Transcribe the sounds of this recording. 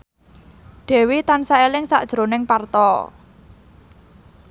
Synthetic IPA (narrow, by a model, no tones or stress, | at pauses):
ɖ̥ɛ̤wit̪ansaelɪŋsa̰ʔd̥ʒ̥ɾo̤nɪŋpart̪ɔ